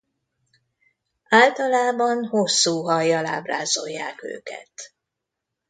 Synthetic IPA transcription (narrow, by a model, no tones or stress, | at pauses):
aːlt̪ɒlaːbɒnho̞sːuːɦɒjːɒla̰ːbraːzo̞jːaːkø̰ːkɛ̰t̪